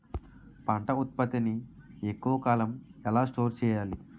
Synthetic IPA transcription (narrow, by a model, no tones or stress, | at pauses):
pɐɳʈɐut̪̚pɐt̪iniekːuʋɐkaːlɐmɛlaːsʈo̞ːɾt͡ʃɛːjaːli